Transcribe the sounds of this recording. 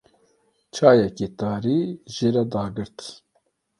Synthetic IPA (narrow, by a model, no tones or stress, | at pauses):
t͡ʃʰaːjɛket̪aːɾiːʒeɾɛd̪ɑːɡɨɾt̪